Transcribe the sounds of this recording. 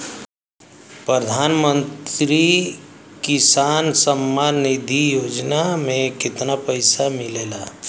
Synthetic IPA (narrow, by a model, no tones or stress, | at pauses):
pɾəd̪ʱaːnmə̃nt̪ɾi | kɪsaːnsəmːanːid̪ʱijoːd͡ʒnamẽkɪt̪napəɪsamɪleːlaː